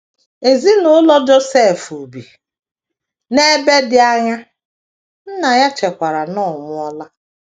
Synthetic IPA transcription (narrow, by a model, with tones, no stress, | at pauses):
e˨zi˦nʊ˦lɔ˦d͡ʒo˦se˦˨fu˨bi˨ | ne˦be˦dɪ˦a˦ɲa˦ | n̩˦na˨ja˦t͡ʃe˨kʷa˨ɾa˨nɔ˦˨mʊ˦ɔ˦la˦